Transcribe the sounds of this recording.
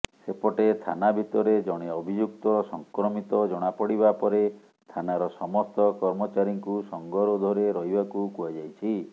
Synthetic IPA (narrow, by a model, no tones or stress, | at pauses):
sepɔʈet̪ʰa̰nabʱit̪ɔɾed͡ʒɔɽ̃eɔbʱid͡ʒuk̚t̪ɔsɔŋkɾɔmit̪ɔd͡ʒɔɽ̃apɔɽibapɔɾe | t̪ʰanaɾɔsɔmɔst̪ɔkɔɾmɔt͡ʃaɾiŋkusɔŋɡɔɾɔd̪ʱɔɾeɾɔɦibakukuad͡ʒajt͡ʃʰi